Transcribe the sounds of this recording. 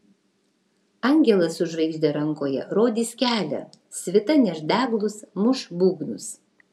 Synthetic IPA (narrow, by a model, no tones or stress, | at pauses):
ɐŋʲɡʲɛlˠɐsʊʒʋɐɪʒʲd̪ʲeɾɐŋˑkoːjɛ̰ɾoːd̪ʲiːskʲæːlʲɛ̰ | sʲʋʲɪt̪ɐnʲɛʒd̪ʲæːɡlˠʊsmʊʃbuːɡnʊs